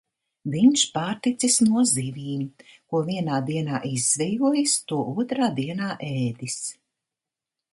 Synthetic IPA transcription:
viɲʃpaːɾt̪it̪sisnuɔziviːɲkuɔviɛnaːd̪iɛnaːʔizːvʲɛjuɔjist̪uɔʔuɔt̪ɾaːd̪iɛnaːʔɛːd̪is

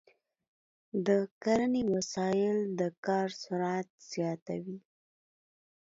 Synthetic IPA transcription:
d̪əkaɾənewasɑjɪld̪əkɑɾsʊɾat̪̚z̥jɑt̪a̰wi

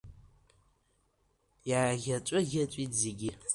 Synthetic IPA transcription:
jaːɣʲɐt͡ʃʷʼʊɣʲɐt͡ʃʷʼiːtzeɡʲɪ

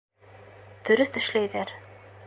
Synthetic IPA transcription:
t̪ɵ̆ɾɵθt̪ɵ̆ʃlæjðæɾ

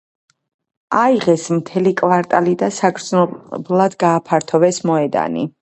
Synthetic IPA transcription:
aiʁɛsmt̪ʰɛlikʼvaɾt̪ʼalid̪asaɡɾd̪znɔblˠad̪ɡaːpʰaɾt̪ʰɔvɛsmɔɛd̪a̰nḭ

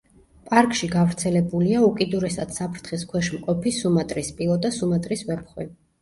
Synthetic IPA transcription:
pʼaɾkʼʃiɡavɾt̪sʰɛlɛbuliaukʼid̪uɾɛsad̪sapʰɾt̪ʰχiskʰwɛʃmqʼɔpʰisumat̪ʼɾispʼilˠɔd̪asumat̪ʼɾisvɛp̚ʰχwi

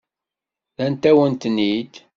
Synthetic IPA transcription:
ðænt̪æwənt̪nid̪

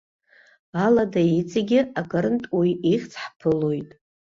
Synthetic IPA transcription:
aladait͡sʼeɡʲɪakʰʼaɾɨntʼujiχʲt͡sʰħpʰɨlojtʼ

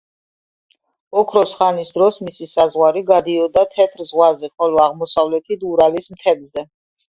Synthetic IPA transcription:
ɔkʰɾɔsχanisd̪ɾɔsmisisazʁwaɾiɡad̪iɔd̪at̪ʰɛt̪ʰɾzʁwazɛχɔlɔaʁmɔsavlɛt̪ʰid̪uɾalismt̪ʰɛbzɛ

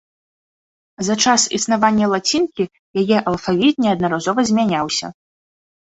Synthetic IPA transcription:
zat͡ʂasḭsnavanʲːɐlˠat͡sʲinkʲi | jajɛʔɐlˠfavʲit̪̚nʲɛɐd̪nɐɾazɔvɐzʲmʲanʲawsʲɐ̰

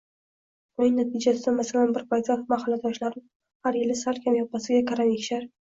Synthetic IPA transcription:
ʊnɪŋnat̪ʰid͡ʒasɪd̪anmasalanbɪɾpʰajt̪ʰamahalːad̪ɒʃlaɾɪ | haɾjɪlɪsalˠkʲʰamjɒpːasɪɡʲakʰaɾamekʲʃaɾ

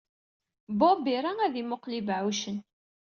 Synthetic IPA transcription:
bɑbiɾˤaŋæðimʊqlibʕuʃən

